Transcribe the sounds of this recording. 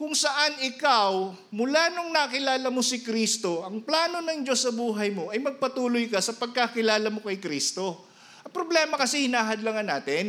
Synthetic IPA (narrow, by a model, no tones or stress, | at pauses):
kʊŋsɐʔanɪkaw | mʊlaːnoŋnakɪlaːlɐmosɪkɾist̪o̞ʔɐŋplaːno̞nɐŋd͡ʒosːɐbuːɦɐjmo̞ʔɐjmɐɡ̚pɐt̪uːlojkɐsɐpɐɡ̚kakɪlaːlɐmo̞kɐjkɾiːst̪o̞ | ʔɐŋpɾoblɛːmɐkɐsɛhɪnaːɦɐd̪lɐŋɐnaːt̪ɪn